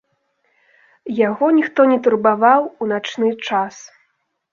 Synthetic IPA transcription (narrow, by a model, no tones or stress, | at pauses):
jaɣɔnʲixt̪ɔnʲɛt̪urbavawunat͡ʂnɨt͡ʂas